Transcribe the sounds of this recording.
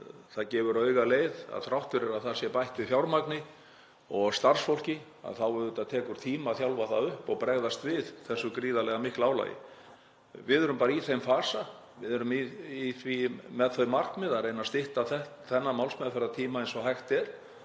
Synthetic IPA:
θaðcɛːvʏɾœːɥɣaleːjða̰ðθɾawht̪ʏɾɛɾaðθḁsjɛpajht̪vɪðfjawɾmaknɪ | ɔɣst̪aɾ̥sfowl̥cɪ | a̰ðθawvʏɾðʏt̪aðt̪ʰɛːkʏɾ̥t̪ʰiːmaθjawlvaθaʏhpɔɣpɾɛɣðast̪vɪðθɛsːʏkɾiːðalɛɣamɪhklaːwla̰jɪ̰ | vɪðʏɾʏmpaːɾaiθejmfaːsa | vɪðʏɾʏmiiθvimɛðθœɥmar̥knmɪðarejnast̪ɪht̪aθɛht̪θɛnːamawlsmɛðfɪɾaðt̪ʰiːmaejnsɔhajxt̪ɛɾ̥

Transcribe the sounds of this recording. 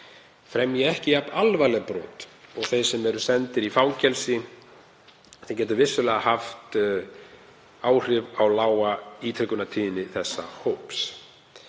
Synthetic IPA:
fɾɛmjɛɣɛhcɪap̪alvajlɛɣpɾɔ̰ːt̪ɔɣθejsɛmɛɾʏsɛnt̪ɪɾifaːwcɛlsɪ | θejcɛːt̪̬ʏɾvɪsːʏlɛɣahaft̪ | aːwr̥ɪvawlaːwait̪ʰɾɪkʏnat̪ʰiːðɪnɪθɛsːa̰howps

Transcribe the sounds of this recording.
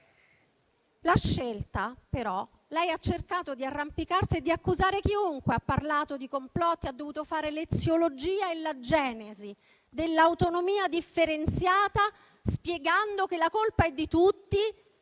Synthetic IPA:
laʃːelt̪apeɾɔ | lɛjat͡ʃːerkaːt̪od̪iarːampikarsied̪ːiakːuzaːɾek̟iuŋkweapːarlaːt̪od̪ikomplɔt̪ːiad̪ːovuːt̪ofaːɾelet̪sjolod͡ʒiːaelad͡ʒɛːnezi | d̪elːaːwt̪onomiːad̪ifːeɾent̪sjaːt̪a | spjeɡand̪okelːakolpaɛd̪ːit̪ut̪ːi

